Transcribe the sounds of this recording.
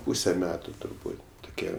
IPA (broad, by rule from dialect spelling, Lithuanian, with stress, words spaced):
ˈpuːsʲɛ ˈmʲæːtʊ tʊrˈbuːtʲ tʊˈkʲiɛ